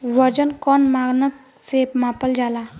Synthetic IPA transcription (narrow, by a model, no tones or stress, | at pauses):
ʋɔd͡ʒənkɔnmaɡnək | sepmapəld͡ʒala